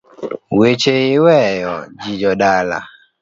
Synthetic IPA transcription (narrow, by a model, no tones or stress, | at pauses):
wet͡ʃeiwɛjɔd͡ʒid͡ʒɔdala̰